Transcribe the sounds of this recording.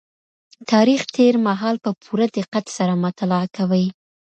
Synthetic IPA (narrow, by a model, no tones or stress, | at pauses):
t̪ɑɾixt̪ʰeɾmaɦɑlpəpʰuɾad̪ɪqat̪saɾamʊt̪alɑakawəj